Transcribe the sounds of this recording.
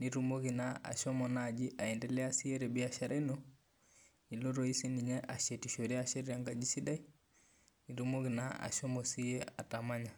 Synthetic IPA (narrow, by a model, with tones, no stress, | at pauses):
niɾumɔ˦ɣi˨naʔa̰˨ʃɔmɔnad͡ʒi˦ʔa˨ɛ˨ndɛ˨lɛ˦a˦si˦ɛ˦ɾɛ˨bi˦aʃa˨ɾʔɛnɔ˦ | ni˨lo˦ɾɔ˦i˦si˦ni˨ɲɛʔa˨ʃɛ˨tiʃɔ˨ɾɛaʃɛ˦ɾɛa˦ŋɡad͡ʒi˦si˦da˦i˦ | ni˨ɾumɔ˦ɣi˨na˦a̰˨ʃɔmɔsi˦ɛ˦a̰˨tama˦ɲa˨